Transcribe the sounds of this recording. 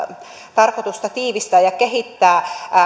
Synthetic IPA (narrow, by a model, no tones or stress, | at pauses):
t̪ɑrkot̪ust̪ɑt̪iːʋist̪æːjɑkeɦit̪ːæː